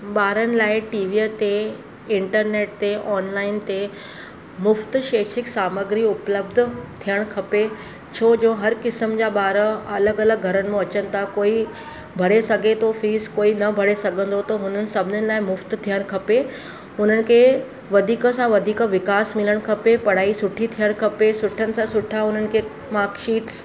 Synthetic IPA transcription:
ɓaːɾənɪ̆laːɪʈiːʋiət̪e | ɪɳʈəɾneːʈt̪eʔɔːnlaːɪnt̪e | mʊft̪ʃeːʃɪksaːməɡɾiʊpləb̚d̪ʱt̪ʰijəɽ̃kʰɐpe | t͡ɕʰoːd͡ʑoːɦɐɾkɪsəmd͡ʑaːɓaːɾəɐləɡɐləɡɡʱɐɾənɪ̆mẽɐt͡ɕənɪ̆t̪ʰakoːi | bʱɐɽesɐɡʱet̪ʰofiːskoːinɐbʱɐɽesɐɡʱə̃nd̪ot̪ɐɦʊnənɪ̆sɐbʱɪnənɪ̆laːɪmʊft̪t̪ʰijəɽ̃kʰɐpe | ɦʊn̤ənɪ̆kʰe | ʋɐd̪ʱiːkəsãʋɐd̪ʱiːkʋɪkaːsmɪləɽ̃kʰɐpepɐɽ̤aːisʊʈʰit̪ʰijəɽ̃kʰɐpesʊʈʰənɪ̆sãsʊʈʰaɦʊn̤ənɪ̆kʰe | maːɾkʃiːʈs

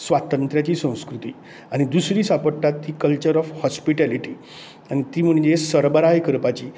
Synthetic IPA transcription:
sʋat̪ənt̪ɾjat͡ɕiːsə̃w̃skɾut̪iː | aɽ̃id̪usɾiːsapəɽʈat̪ːiːkəlt͡ɕəɾɔfhɔspiʈæliʈiː | añit̪iːm̤əɳd͡ʑesəɾbəɾajkəɾpat͡ɕiː

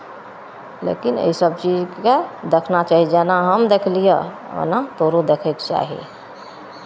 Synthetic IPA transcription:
lḛkinḛisəb̚t͡ʃid͡ʒked̪ekʰnat͡ʃaɦid͡ʒanaɦəmd̪ekʰlije | o̰nat̪oɾod̪ekʰekt͡ʃa̰ɦḭ

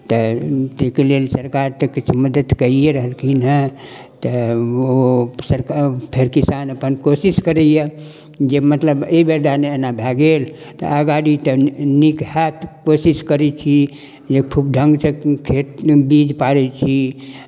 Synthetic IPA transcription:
t̪ət̪ekelelsəɾkaɾt̪əkit͡ʃʰməd̪ət̪kəijeɾəɦəlkinə | t̪əosəɾkpʰeɾkisanəpənkosiskəɾɛjə | d͡ʒemət̪ləbeibəɾd̪aneenabʱɛɡel | t̪ɔ̰əɡaɽit̪ənikhɛt̪kosiskəɾɛt͡ʃʰi | d͡ʒekʰub̚ɖʱə̃ŋɡsekʰet̪bid͡ʒpaɽɛt͡ʃʰi

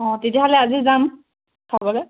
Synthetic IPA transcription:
ɔ̃tetijaɦɔlɛazizam | tʰɔbɔlɛ

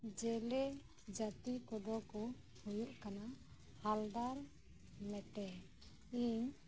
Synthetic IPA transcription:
d͡ʒɛlɛ | d͡ʒat̪ikɔd̪ɔkɔ | hujuʔkana | hald̪aɾ | mɛʈɛ | iɲ

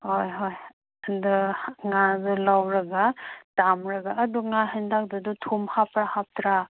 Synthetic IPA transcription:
hojɦoj | ɐndɯŋazulawɾɐɡatamɾɐɡaːduŋaɦɯndak̚dɯdutʰumhapɾahap̚tɾa

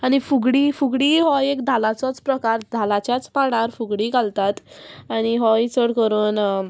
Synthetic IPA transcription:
aɽ̃ifuɡɽifuɡɽiːɦɔjekd̪ʱalat͡sɔt͡spɾəkaɾd̪ʱalat͡ɕjat͡spaɽ̃aɾfuɡɽiːkalt̪at̪aɽ̃iɦɔit͡səɽkəɾuːn

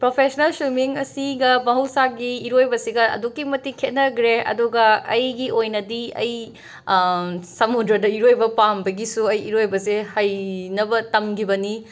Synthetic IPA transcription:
pɾopʰesnɐlsumiŋɐsiɡɐmɐɦɐwsaɡiːɾojbɐsiɡɐɐ̰dukːimɐtikʰet̚nɐɡɾeɐ̰duɡɐɐjɡiʔojnɐdiɐj | sɐmudɾɐdɐiɾojbɐpambɐɡisuɐjiɾojbɐsehɐjnɐbɐtɐmkʰibɐni

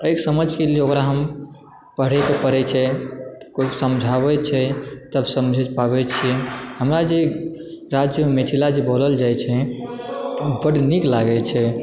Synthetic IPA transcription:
əjksəməd͡ʒʱkeleokɾaɦəm | pəɽɛkepəɾɛt͡ʃʰɛkosəmd͡ʒʱaβɛt͡ʃʰɛt̪əbsəmd͡ʒʱɛd͡ʒpabɛt͡ʃʰihəmɾad͡ʒe | ɾad͡ʒjəmemet̪ʰilad͡ʒeboləld͡ʒajt͡ʃʰɛ | bəɽniklaɡɛt͡ʃʰɛ

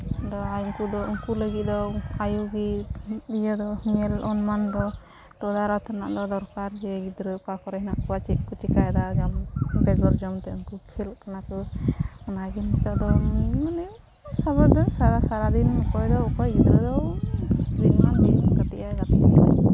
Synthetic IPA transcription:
d̪ɔajuŋkud̪ɔuŋkuləɡit̪̚d̪ɔajuɡiijəd̪ɔŋɛlɔnmand̪ɔ | tɔd̪aɾawt̪ʰɔna̰ʔd̪ɔd̪ɔɾkaɾd͡ʒɛɡid̪ɾəpakɔɾɛhinɔʔkuwat͡ʃiʔkut͡ʃikajd̪ad͡ʒɔmbɛɡɔɾd͡ʒɔmt̪ɛuŋkukʰilkanakɯɔnaɡint̪ɔʔd̪ɔmanɛ | sabɔd̪ɔsaɾasaɾad̪inɔkɔjd̪ɔukɔjɡid̪ɾəd̪ɔ | d̪inmand̪inɡat̪iʔajɡat̪ḭʔa̰

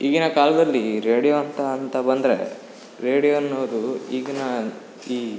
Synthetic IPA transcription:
iːɡinɐkaːlɐd̪ɐlːiɾeːɽijoɐnt̪ɐːnt̪ɐbɐnd̪ɾe̞̰ | ɾeːɽijoɐnːoːd̪uiːɡinɐ | iː

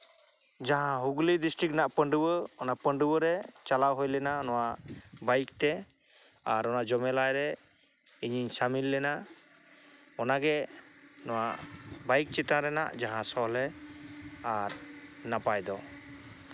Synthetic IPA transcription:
d͡ʒaɦãɦuɡlidisʈɾiknaʔpəɳɖubəɔnapəɳɖubəɾɛt͡ʃalawɦojlɛnanɔwaʔbajkt̪ɛ | aɾɔnad͡ʒɔmɛlajɾɛ | iɲiɲsamilːɛnaʔ | ɔnaɡɛnɔwaʔbajk̚t͡ʃit̪ãɾɛna̰ʔd͡ʒaɦãsɔlɛ | aɾnapajd̪ɔ

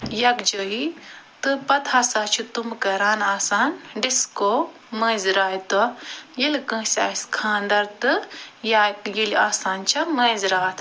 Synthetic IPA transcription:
jɐkd͡ʒəit̪ɨpɐt̪ʰhɐsaːt͡ʃʰut̪umkɐɾaːnaːsaːnɖiskoː | mə̃ːzɾaːjit̪ɔjilkə̃ːsʲa̰ːskʰãːnd̪ɐɾt̪ɨjajilaːsaːnt͡ʃʰɐmɐːzɾaːt̪ʰ

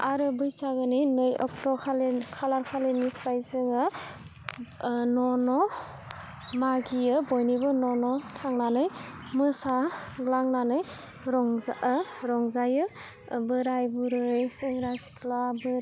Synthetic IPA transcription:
aɾɯbɯjsaɡɯninɯjɔ̰ktɔkʰalekʰalaɾkʰalenipʰajzɯŋɯ | nɔnɔ | maɡijɯbɔjnibɯnɔnɔtʰaŋnanɯjmɯsaɡlaŋnanɯj | ɾɔŋzɾɔŋzajɯ | bɯɾajbuɾɯjsɯŋɾasi̥kʰlabɯ

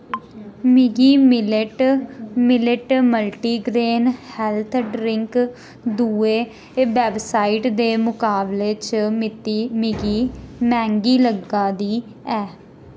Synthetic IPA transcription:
mɪɡiːmɪlɪʈmɪlɪʈməlʈiːɡɾeːnhɛlt̪ʰɖɾɪŋk | d̪uːeː | bɛːbsaːiʈd̪eːmʊkaːbleːt͡ʃmɪt̪imɪɡiːmɛ̃ːŋɡiːləɡːaːd̪iː | ɛː

